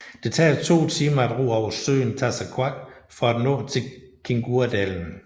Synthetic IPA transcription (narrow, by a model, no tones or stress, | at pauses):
d̥e̝t͡sʰɛ̰ːt͡sʰo̝̰ːt͡sʰiːmɐæd̥ʁo̝̰ːɒʊ̰ɐsø̰ːnt͡sʰæsækʰwɑɡ̥fɒ̽æd̥nɔ̰̽ːt͡sʰe̝kʰe̝ŋɡ̥uɐd̥æln̩